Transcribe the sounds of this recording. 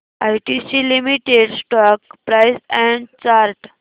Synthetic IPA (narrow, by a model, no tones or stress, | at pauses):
ajʈisilimiʈeɖsʈɔkpɾaɪsɛ̃ɳɖt͡ɕaɾʈ